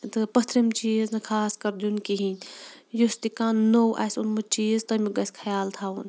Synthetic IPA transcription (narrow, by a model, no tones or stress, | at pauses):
t̪ɨpɐt̪ʰɾemt͡ʃiznɐkʰaːskɐɾd̪unkiɦinjust̪ikaːnːowʔa̰ːjsunmɐt͡ʃiːzt̪ɐmiɡɐskʰɐjaːlt̪ʰaun